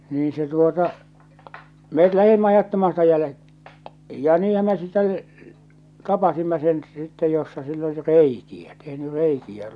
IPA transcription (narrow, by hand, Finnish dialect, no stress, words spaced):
niːĩ se tuotɑ met læhimːæ ɑjɑtːɑmɑː sitæ jælĕ jɑ niːhæm me sitˑɛ tɑpɑsimːɑ sen sitːe josːɑ silː oli reikiæ tehny reikiæ